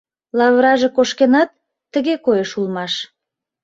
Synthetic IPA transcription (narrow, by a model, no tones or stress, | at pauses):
lɑβɾɑʒekoʃkenɑt̪ː | əɣekojeʃulmɑʃ